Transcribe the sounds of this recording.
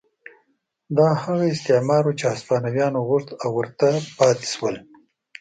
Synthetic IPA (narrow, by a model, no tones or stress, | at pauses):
d̪ɑhaɣaɪst̪emɑɾot͡ʃeaspɑnawjɑnoɣʊʂt̪awːəɾt̪apɑt̪e̥ʃwəl